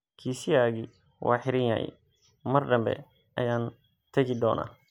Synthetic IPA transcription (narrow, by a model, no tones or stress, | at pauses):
kʰiːsɪjaːɣi | wʔɑ̰ːħɪɾɪnjɐɛ̰ | mɐrd̪ɐmbɛ̰ | ʔɐjaːn | t̪ʰɐɣɪd̪ɔːna̰ː